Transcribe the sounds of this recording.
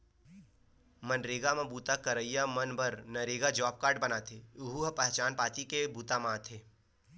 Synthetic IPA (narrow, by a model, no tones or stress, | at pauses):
mənɾeːɡamãbuːt̪akəɾəijamənbəɾnəɾeːɡad͡ʒɔːp̚kaːɾɖbɐnat̪ʰeːʊɦuɦɐpəɦt͡ʃaːnpaːt̪ikebuːt̪amãːt̪ʰeː